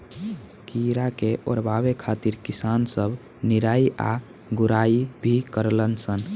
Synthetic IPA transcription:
kiɾakeʔo̰ɾbabekʰat̪iɾkisansəbʱ | niɾaiʔa̰ | ɡuɾaibʱikəɾlənsən

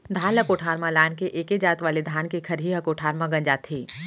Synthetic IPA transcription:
d̪ʱaːnlɐkoːʈʰaːɾmãlaːnkeʔeːked͡ʒaːt̪ʋaːled̪ʱaːnkekʰɐɾɦiɦɐkoːʈʰaːɾmãɡɐ̃ɲd͡ʒaːt̪ʰeː

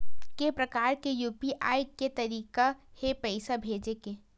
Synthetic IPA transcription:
kepɾɐkaːɾkejuːpiʔaːjket̪ɐɾiːkahepɛɪsabʱeːd͡ʒekeː

